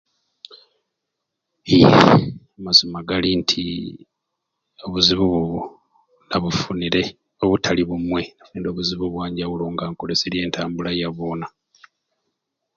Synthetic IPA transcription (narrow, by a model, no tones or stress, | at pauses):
i | amazimaɡalintʰḭ | o̞βuziβuβuβu | naβufuniɾe̞ | o̞βutʰaliβumwe̞nafuniɾo̞ːβuziβuβwaːɲɟaβuloːŋɡaːŋko̞leseɾje̞ːntaːmbulajaβoːna